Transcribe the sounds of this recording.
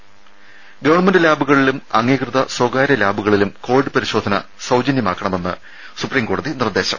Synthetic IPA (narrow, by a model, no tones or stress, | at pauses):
ɡɐʋɐɳɐmendɨlaːbʱuɣɐɭilumɐŋːiːkrɨðɐswɐɡaːɾɐlaːbʱuɣɐɭilumko̞ːʋiɖɨpɐɾiɕo̞ːd̪ʱɐnɐ̰ | sɐwd͡ʑɐnjɐma̰ːkːɐɳɐme̞nːɨ̰ | supriːmko̞ːɽɐðinird̪e̞ːɕɐ̰m